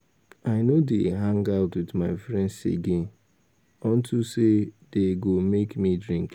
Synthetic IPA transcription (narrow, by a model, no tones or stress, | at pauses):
aɪnodeɦãŋɡaʊtwɪdmaɪfɾɛ̃ndsḛɡen | ɔn̩tʰused̥eɡomekmidɾĩŋk